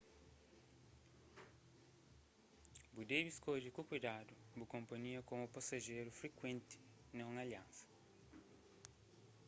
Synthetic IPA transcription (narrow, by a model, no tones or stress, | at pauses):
bud̪ebiskoʎikukujd̪ad̪ʊbʊkõmpɐɲiɐkõmupasaʒejɾʊfɾekwẽnt̪ɪ̥ | nɐ̃w̃aljãnsɐ̥